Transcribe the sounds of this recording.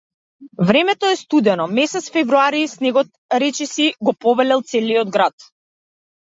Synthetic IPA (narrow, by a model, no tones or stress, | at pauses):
vɾɛmɛt̪ɔɛst̪ud̪ɛnɔmɛsɛt̪sfɛvɾuaɾisnɛɡɔt̪̚ | ɾɛt͡ʃɛsiɡɔpɔvɛlɛlˠt̪sɛliɔd̪ɡɾat̪̚